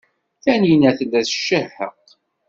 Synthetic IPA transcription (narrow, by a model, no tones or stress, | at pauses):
θænijnæθənæθʃːəhə̰q